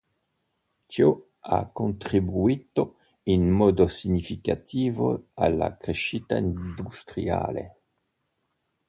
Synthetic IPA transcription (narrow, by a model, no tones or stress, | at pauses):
t͡ʃo | a̰kont̪ɾibuit̪o | inmɔd̪osiɲifikat̪iːvo̰alːa̰kɾeʃit̪aind̪ust̪ɾia̰ːlḛ